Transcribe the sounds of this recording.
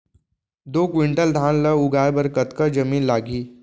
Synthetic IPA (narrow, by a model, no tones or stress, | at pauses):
d̪okʋiɳʈəld̪ʱãnləuɡajbəɾkət̪kəd͡ʑəmiːnlaɡiː